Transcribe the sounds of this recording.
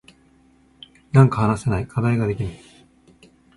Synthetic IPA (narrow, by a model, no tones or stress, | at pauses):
nãŋkahanase̞naikʰad̪aiɡad̪e̞kʲima